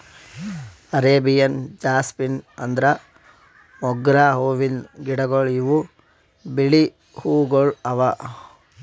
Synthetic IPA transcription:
ɐɾeːbijɐnd͡ʒaːspinɐnd̪ɾɐ | mɔɡɾaːɦoːʋinɡiɽɐɡoɭiʋu | biɭi | huːɡoɭɐʋɐ

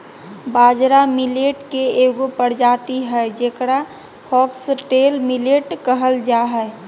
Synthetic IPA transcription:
baːd͡ʒɾamileʈkeeɡopəɽd͡ʒaːt̪iɦɛed͡ʒeːkɽa | hɔːksʈelmileʈkəɦəld͡ʒaɦɛɪ

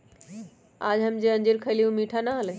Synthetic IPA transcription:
aːd͡ʑɦɐmd͡ʑeɐ̃ɲd͡ʑiɾkʰɐɪlijũmiːʈʰanaɦəle

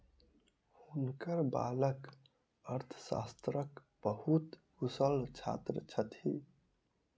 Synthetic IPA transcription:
unkəɾba̰ːlək | əɾt̪ʰə̥sa̰st̪ɾək | b̥əhut̪husəlt͡ʃʰa̰t̪ɾət͡ʃʰət̪hḭ

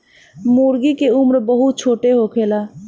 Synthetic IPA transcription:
muɾɡikeumɾbəɦut̪̚t͡ʃʰoːʈeɦokʰela

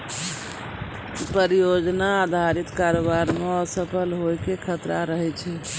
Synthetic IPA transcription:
pəɾijod͡ʒnaːd̪ʱaɾit̪kaɾobaɾmeɔɾsəpʰəlɦojkekʰət̪ɾaɾəɦɛt͡ʃʰɛ

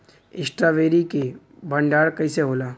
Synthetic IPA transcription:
ɪsʈɾaʋeːɾike | bʱɐ̃ɳɖaːɽkɐiseɦoːlaː

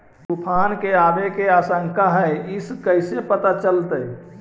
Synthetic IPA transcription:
bupʰankeabekeasəŋkaɦəiskəɪsepət̪at͡ʃəlt̪əj

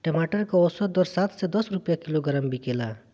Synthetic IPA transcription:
ʈemaʈəɾkaɔsɔd̪ɔɾsat̪sed̪ɔsɾupjakiloɡəɾəmbikela

